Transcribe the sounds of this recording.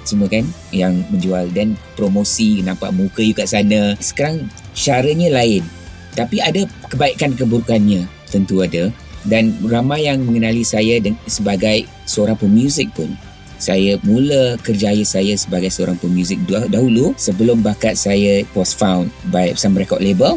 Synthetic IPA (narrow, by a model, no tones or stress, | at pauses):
səməkan | jaŋmə̃ɲd͡ʒualdanpɾomosinãpa̰ʔmukəjukaʔsanəsə̥kaɾaŋ | ʃaɾəɲãlaɪn | t̪apiadəkəbaiʔkankəbəɾukanɲã | t̪ənt̪uadə | danramajjaŋmə̃ŋənalisajədəsəbaɡaj | səoɾaŋpəmjuzɪk̚pʊn | sajamũləkərd͡ʒajəsajasəbaɡajsəoɾaŋpəmjuzɪk̚ddaɦulusəbəlʊmbakat̪̚sajəpɔsfawnbaisamɾekɔʔ̪̚lebəl